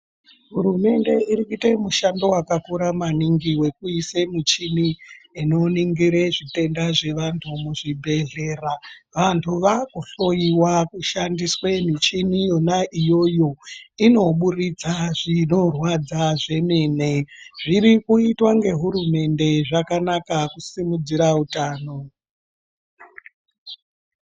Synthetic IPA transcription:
ɦuɾume̞nde̞irikitemuʃando̞wakakuɾamaniŋɡiwe̞kuisemit͡ʃiniino̞niŋɡiɾeʐite̞ndaʐe̞ʋantʰumuʐibʱe̞ɮeːraʋantʰuʋakuɬo̞jiwakuʃandiswemit͡ʃinijo̞naʔijo̞jo̞ino̞ɓurid͡zaʐino̞rwad͡zaʐe̞miːneʐiɾikuitwaŋɡe̞ɦuɾume̞nde̞ʐakanakakusimud͡ziɾautaːno̞

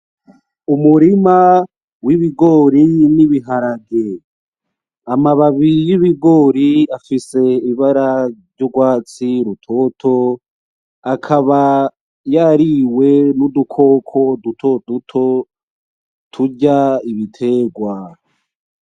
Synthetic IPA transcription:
umuɾima | wiβiɡo̞ːɾiniβiɦaɾaɡe | amaβaβijiβiɡo̞ɾiafise̞iβaɾavɟoɡwaːt͡siɾutʰo̞tʰo̞ | akʰaβa | jaɾiwe̞nudukʰo̞ːkʰo̞dutʰo̞dutʰo̞ | tʰuɟaiβitʰe̞ːɡwa

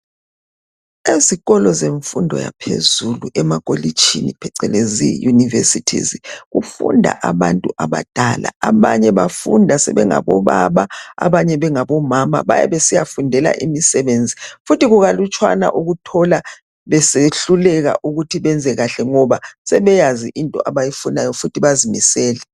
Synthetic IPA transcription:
eziɣɔlɔzeɱfundʱɔ̰ja̰pʰḛzuluʔɛmakʼoli̥t͡ʃʰʼḭnipʰɛǀɛlezḭjunivesitʰḭziɣufṵndʱa̰ʔaβantʼuʔaβad̥ʱala̰aβaɲɛβafundʱasɛ̰βɛŋa̰βɔβaβaa̰βaɲɛβɛŋaβɔmama̰βa̰jɛ̰βesijafundʱɛla̰ʔimisɛβend͡zʱifutiɣuɣalut͡ʃʼʰwa̰na̰ʔuɣutʰɔla | βɛseɬulɛɣa̰ʔuɣutʰiβɛnd͡zʱɛɣaɬɛŋɔβasɛβɛjaziʔintʼɔʔaβajifunajɔfutʰiβazimḭsɛːlɛ

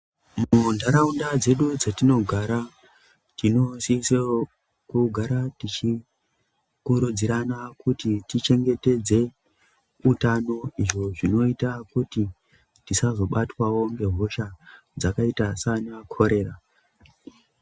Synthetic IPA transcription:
mundaɾaundad͡ze̞ɗud͡zatino̞ɡʱaɾa | tino̞sise | kuɡʱaɾatit͡ʃi | kuɾud͡ziɾanakutitit͡ʃe̞ŋɡe̞te̞d͡ze̞ | utano̞iʐo̞ʐino̞itakuti | tisazo̞ɓatwawo̞ŋɡe̞ɦo̞ʃa | d͡zakaitasanakʰo̞ɾe̞ːɾa

